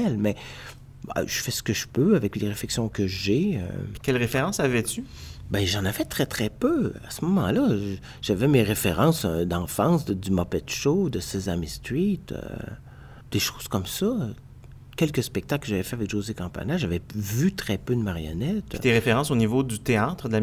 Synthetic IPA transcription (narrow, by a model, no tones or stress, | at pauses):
ɛlmɛ | ʒ̥əfɛsə̥kəʒəpøavɛkleʁeflɛksjɔ̃kəʒeø̰kʲɛlʁefeʁɑ̃savɛt̪ybɛ̃ʒɑ̃navɛt̪ʁɛt̪χɛpøa̰səmɔmɑ̰̃la | ʒ̥avɛmeʁefeʁɑ̃sd̪ɑ̃fɑ̃sd̪əd̪ymɔpɛt̪ʃod̪əsezamist̪it̪ø̰ | d̪̥eʃoːz̥kɔmsɔ | kʲɛlkəspɛk̚t̪aklkəʒavɛfɛavɛkʒozekɑ̃pa̰naʒavɛvyt̪ʁɛpød̪əmaʁjɔ̰nɛt̪it̪eʁefeʁɑ̃sonivod̪yt̪eaːt̪χəd̪əla